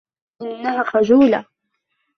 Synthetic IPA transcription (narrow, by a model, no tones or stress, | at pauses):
ʔɪnːahaxad͡ʒuːla